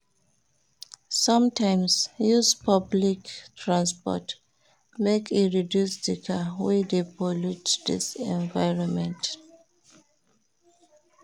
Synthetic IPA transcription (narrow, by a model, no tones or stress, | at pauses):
sʌ̃mtʰãɪ̃msjuspʰʌbliktʰɹãnspɔ̰t | mekiɹidjusdikʰawɛdepɔlutdisɛ̃nvaɪɹɔ̃nmɛ̃nt